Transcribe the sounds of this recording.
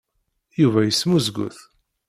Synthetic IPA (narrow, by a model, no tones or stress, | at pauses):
juvæjəsːmuzɡʊ̰θ